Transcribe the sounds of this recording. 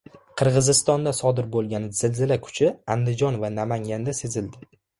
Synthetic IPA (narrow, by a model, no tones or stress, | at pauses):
qʰɨɾʁɨzɪst̪ɒnd̪asɒd̪ɪɾbolˠɡʲanɪz̥ɪlzɪlakʰʊ̥t͡ʃʰɪand̪ɪd͡ʒɒnvanamaŋɡʲand̪ase̞zɪld̪ɪ